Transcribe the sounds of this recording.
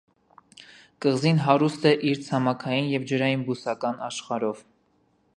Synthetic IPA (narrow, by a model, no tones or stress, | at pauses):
kəʁzinɦɑɾust̪ɛʔiɾt͡sʰɑmɑkʰɑjinjɛvd͡ʒəɾɑjinbusɑkɑnɑʃχɑɾɔv